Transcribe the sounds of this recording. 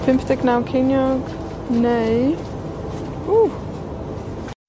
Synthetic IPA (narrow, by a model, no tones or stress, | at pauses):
pʰɪmpʰd̪ɛɡnawkʰejnjɔɡ | nej | u